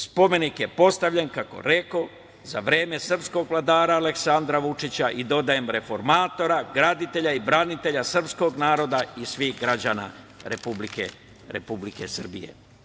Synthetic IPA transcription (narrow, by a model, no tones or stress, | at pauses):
spo̞me̞nikje̞po̞st̪aʋʎenkako̞̰ɾe̞ko | zaʋɾeːme̞sr̩psko̞ɡʋlˠad̪aːɾaːle̞ksand̪ɾaʋut͡ʃit͡ɕaʔid̪o̞d̪aje̞mɾe̞fo̞ɾmaːt̪o̞ɾaɡɾad̪it̪e̞ʎaibɾanit̪e̞ʎasr̩psko̞ɡnaːɾo̞d̪aisʋiːxɡɾad͡ʑana̰ | ɾepublikḛ | ɾḛpublike̞sr̩bijḛ